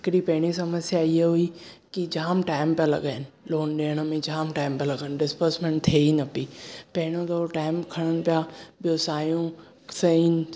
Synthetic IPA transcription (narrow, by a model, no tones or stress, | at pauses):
ɪkɾipɐɦɪɽ̃isɐməsjaiɦeɦuikid͡ʒʱaːmʈaːɪmpjalɐ̰ɡəɪnɪ̆loːnɗeːɽ̃əmẽd͡ʒʱaːmʈaːɪmpjalɐɡənɖɪspəɾsmẽɳʈ̚t̪ʰeːinɐpipɐɦɪɽ̃õd̪ooʈaːɪmkʰɐɽ̃əñpjabɪjoːsaːjũ | sɐin